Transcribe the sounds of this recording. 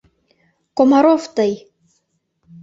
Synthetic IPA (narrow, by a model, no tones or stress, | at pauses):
komɑɾoft̪ɤj